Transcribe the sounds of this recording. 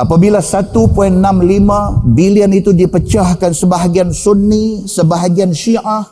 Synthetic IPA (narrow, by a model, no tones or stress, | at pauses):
apabilasat̪upoinːãmlimãbiliənit̪udipət͡ʃahkansəbaɦaɡiansunːisəbaɦaɡianʃiʔah